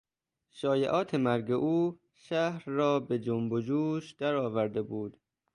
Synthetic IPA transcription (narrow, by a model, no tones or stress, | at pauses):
ʃɒːjeʔɒːt̪ʰe̞mæɾɡeʔuː | ʃæhɾːɒːbed͡ʒombod͡ʒuːʃd̪̥æɾɒːvæɾd̪ebuːd̪